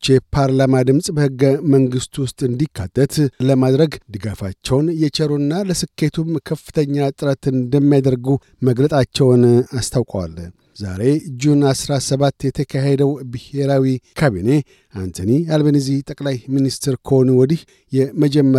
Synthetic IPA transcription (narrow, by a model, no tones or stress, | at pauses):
t͡ʃɛpʰaɾlamad̪ɨmsʼbəhɨɡːəməŋɡɨst̪wʊst̪ʼɨnd̪ikʰːa̰t̪ʼːət̪ləmad̪ɾəɡd̪ɨɡafat͡ʃːɛwnjɛt͡ʃɛɾunːaləsɨkʰːe̞t̪ʰumkʰəfːɨ̥t̪ʰəɲːat̪ʼɨɾət̪ɨnd̪əmːijad̪əɾɡu | məɡlət̪ʼat͡ʃːɛwnast̪ʰawkʼwa̰l | za̰ɾe̞d͡ʒunasɾasəβat̪ːjɛt̪ʰəkʰaɦed̪əwbɨhe̞ɾawikʰaβine̞ | ant̪ʰənialbenɨziht̪ʼəkʼlajminist̪ʰɾkʰəonuwɔd̪ih | jɛməd͡ʒɛmːə